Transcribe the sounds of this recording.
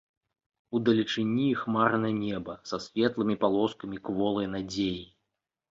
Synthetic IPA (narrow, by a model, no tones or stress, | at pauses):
ud̪ɐlʲit͡ʂɨnʲixmaɾnɐnʲɛbɐsɐsʲvʲɛt̪lˠɨmʲipalˠɔskɐmʲikvɔlˠɐjnad͡zʲeji